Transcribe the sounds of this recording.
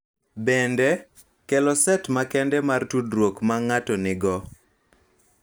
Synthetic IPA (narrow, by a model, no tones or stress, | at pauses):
bɛndɛ | kɛlɔsɛtmakɛndɛmartudɾwokmaŋatɔnɪɡɔ